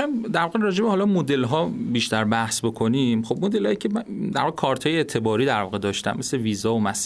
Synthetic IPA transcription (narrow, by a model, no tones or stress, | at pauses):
md̪æɾvɒːɣeɾɒːd͡ʒebehɒːlɒmod̪e̞lɦɒːbiːʃt̪æɾbæhsbo̞kʰo̞nimxob̚mod̪elhɒːjicʰemæd̪æɾvɒːɣekʰɒɾt̪ʰhɒːjeet̪ʰe̞bɒːɾiːd̪æɾvɒːɣed̪ɒːʃt̪æ̰mːe̞sleviːzɒːomæs